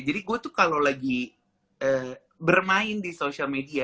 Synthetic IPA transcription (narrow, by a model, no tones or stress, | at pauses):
d͡ʒadiɡuat̪ukalowlaɡi | əː | bərmaɪndisoʃialmedia